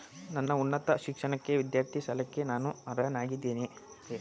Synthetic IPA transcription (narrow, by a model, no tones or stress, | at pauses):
nɐnːɐunːɐt̪ɐʃikʂɐɳɐkːe̞ʋid̪jaːɾt̪ʰisɐlɐkːe̞naːnuaːɾɐnaːɡid̪ːiːni